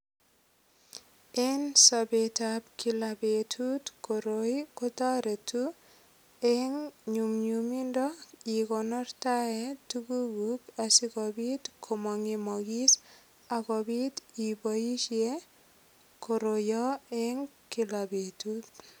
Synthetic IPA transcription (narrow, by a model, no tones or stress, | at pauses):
ensɔbetab̚kilabetʰut̪koɾkɔtɔɾetu | ɛŋɲumɲumindɔikɔnɔɾtaetuɡuɡukasikɔbit̪kʰɔmɔŋimɔɡis | akɔbit̪ibɔjiʃie | koɾojɔɛŋ | kilabetut̪